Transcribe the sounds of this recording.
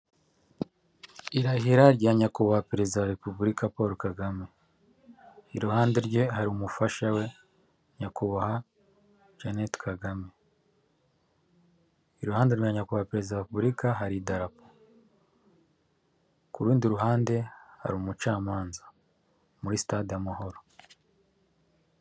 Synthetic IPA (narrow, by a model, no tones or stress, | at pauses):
iɾaɦiɾaɾɟaːɲakuβahapeɾe̞zidawaɾepuβuɾikapauɾokaɡame̞ | iɾuhaːnde̞ɾɟe̞ɦaɾiumufaʃawe̞ | ɲakuβaha | ʒanetkʰaɡame̞ | iɾuhaːndeɾuɲaɲakuβahapeɾezidawaepuβɾikaɦaɾidaɾapo | kuɾuːndiɾuɦaːnde̞ha̰ɾiumut͡ʃaːmaːnzḁ | muɾisi̥tadijamaho̞ɾo